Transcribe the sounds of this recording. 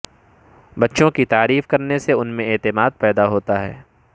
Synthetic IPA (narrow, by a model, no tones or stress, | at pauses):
bɐtːʃõkit̪aːɾiːfkɐɾneseʊnmẽeːt̪ɪmaːd̪̚pɛːd̪aɦoːt̪aɦɛ̰ː